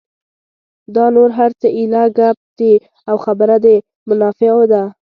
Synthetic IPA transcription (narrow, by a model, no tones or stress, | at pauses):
d̪ɑnoɾɦaɾt͡səʔilaɡap̚d̪̥i | awxabəɾad̪e | mʊnɑfeod̪a